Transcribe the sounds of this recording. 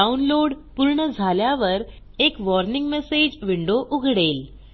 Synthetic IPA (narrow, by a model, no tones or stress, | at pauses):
aunloɽpuɾɳəd͡zʱaljaʋəɾ | ekʋɔɾniŋɡmesed͡ʑʋiɳɖoʔuɡʱɽel